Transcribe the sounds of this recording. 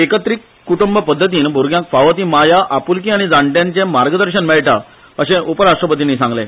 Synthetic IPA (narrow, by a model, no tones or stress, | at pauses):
ekət̪ɾikːuʈumbəpəd̪ʱːət̪̬iːnbʱoɾɡjãŋkfaʋət̪iːmajaʔapulkiaɽ̃id͡zaɳʈjãɲt͡ɕẽmaɾɡəd̪əɾɕənmɛɭʈa̰ | əɕẽʔupəɾaʂʈɾəpət̪inːisãŋɡlḛ̃